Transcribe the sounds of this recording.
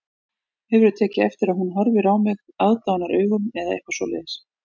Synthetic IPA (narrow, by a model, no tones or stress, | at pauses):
hɛvʏɾaðt̪ʰɛːcɪɛft̪ɪɾaðhunɦɔɾvɪɾawmɪɣ | aðt̪awnaɾʔœːɥɣʏmɛðaehkvaɾ̥sɔ̰ːlɛ̰ðɪs